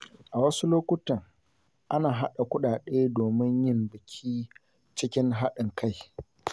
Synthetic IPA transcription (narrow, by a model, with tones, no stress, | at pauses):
ʔa˨wɐ˦su˦loː˦kʷʊ˦tɐ˨ŋ | ʔa˦naː˨ɦa˦ɗa˨kʷʊ˦ɗaː˨ɗeː˦doː˨mɪ˦ɲjɪ˦˨mbɪ˨kʲʰiː˦ | t͡ʃɪ˦kʲɪ˦ŋɦa˦ɗɪ˨ŋkʰa˦˨j